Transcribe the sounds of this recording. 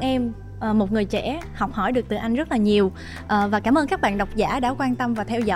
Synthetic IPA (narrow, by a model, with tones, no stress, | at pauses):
ʔɛ˧m | ʔəː˨˩mo˨˩t̚ŋɨ˨˩əjt͡ɕɛ̰˧˥hɔ˨˩wk͡p̚hɔ˧˩jɗɨ˨˩ək̚t̪ɨ˨˩ʔa˧jŋ̟zə˦˥t̚laː˨˩ɲi˨˩əw | ʔəː˨˩vaː˨˩kaː˧˩mʔəː˧nkaː˦˥k̚ɓa̰ː˧˨nɗə˨˩wk͡p̚za̰ː˧˥ɗaː˧˥kwaː˧nt̪ə˧mvaː˨˩t̪ʰɛ˧wzɔ̰˧